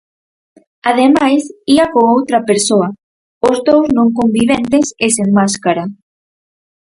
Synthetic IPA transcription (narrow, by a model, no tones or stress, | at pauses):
að̞emajsiɐkoowt̪ɾɐpeɾsoɐ | ʊzðowznõŋkombiβ̞ent̪eseseŋmaskaɾa